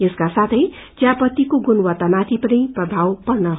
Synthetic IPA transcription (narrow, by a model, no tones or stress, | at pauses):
eskasat̪ʰʌj | t͡sjapʌt̪ikoɡunwat̪ːamat̪ʰipʌɾiprʌbʱawpʌrnʌɦ